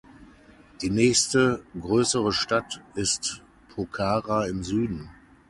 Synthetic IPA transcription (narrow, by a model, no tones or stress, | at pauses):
d̥iːnɛːçstəɡʁøːsəʁəʃtatɪst | pʰokʰaːʁaɪmzyːdn̩